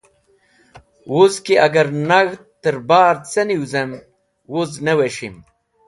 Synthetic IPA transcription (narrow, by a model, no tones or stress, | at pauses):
wozkiʔɐɡɐɾnɐɣt̪ː | əɾbaːɾt͡sɐniwzem | wozneweɕim